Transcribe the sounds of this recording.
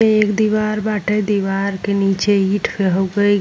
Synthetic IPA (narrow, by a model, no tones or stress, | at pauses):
eekd̪iʋaɾbaːʈʰed̪iʋaɾkenit͡ʃeiʈʰpʰeɦoɡəi